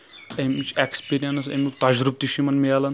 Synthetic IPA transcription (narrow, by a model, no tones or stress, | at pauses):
emit͡ʃʰekspʲiɾijɐnɐsḛmʲikt̪ad͡ʒɾup̚t̪iʃimɐnmialɐn